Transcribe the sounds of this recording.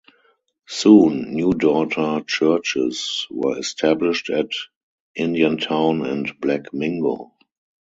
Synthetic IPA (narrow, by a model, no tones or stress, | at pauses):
sũːnːjuːdɔtʰə˞t͡ʃɜ˞t͡ʃɪ̰swɜ̰ːɛstʰæblɪʃtɛt | ʔɪ̃ndiə̃ntʰãʊ̃nɛ̰̃ntblækmɪ̃ŋɡo̰